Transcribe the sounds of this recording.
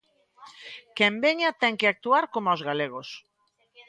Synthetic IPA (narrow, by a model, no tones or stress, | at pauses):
kembeɲat̪ɛŋkeak̚t̪uaɾkomazɣaleɣ̞os